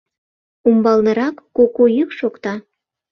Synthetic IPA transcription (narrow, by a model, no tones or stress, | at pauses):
umbɑlnɤ̆ɾɑkːokojykʃokt̪ɑ